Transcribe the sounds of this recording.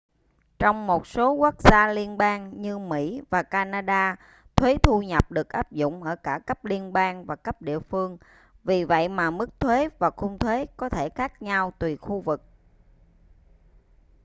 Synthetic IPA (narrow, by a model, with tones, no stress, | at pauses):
t͡ɕɔ˧wŋ͡mmo˨˩t̚so˨˦ku˦˥k̚z̥aː˧li˧ənɓaː˧ŋɲɨ˧mḭ˧˥vaː˨˩kaː˧naː˧ɗaː˧ | t̪ʰwe˨˦t̪ʰu˧ɲə˨˩p̚ɗɨ˨˩ək̚ʔaː˦˥p̚zʊ̰˧˨wŋ͡mʔəː˧˩kaː˧˩kə˦˥p̚li˧ənɓaː˧ŋvaː˨˩kə˦˥p̚ɗḭ˧˨əfɨ˧əŋ | vi˨˩və̰˧˨jmaː˨˩mɨ˦˥k̚t̪ʰwe˨˦vaː˨˩xʊ˧ŋ͡mt̪ʰwe˨˦kɔ˨˦t̪ʰe˧˩xaː˦˥k̚ɲa˧wt̪wi˨˩xu˧vɨ˨˩k̚